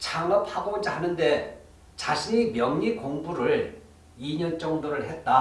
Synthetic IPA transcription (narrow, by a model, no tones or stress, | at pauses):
t͡ɕʰaŋʌp̚haɡomʌnd͡ʑʰihanɯnde̞ | t͡ɕaɕʰiɲimjʌŋɲikoŋbuɾɯɭ | iɲʌnt͡ɕ͈ʌŋdoɾɯɭhe̞t̚t͈a